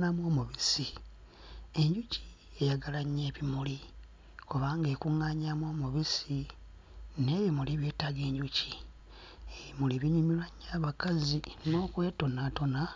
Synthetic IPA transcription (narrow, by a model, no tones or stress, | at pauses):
namo̞ːmuβisi | e̞ɲɟuci̥ | ejaɡalaɲːe̞ːβimuli | kuβaːŋɡe̞kuŋaːɲamwo̞ːmuβisi | neːβimuliβje̞ːtaɡe̞ːɲɟuci | eβimuliβiɲumilwaɲːaːβakazino̞ːkwe̞ːto̞nato̞na